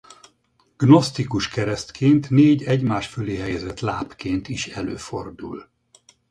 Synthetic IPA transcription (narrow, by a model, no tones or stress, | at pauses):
ɡ̥no̞st̪ikuʃkɛɾɛst̪kʰeːnt̪neːɟɛɟmaːʃføleːɦɛjɛzɛt̪laːpkeːnt̪iʃɛløːfo̞̰rd̪ṵl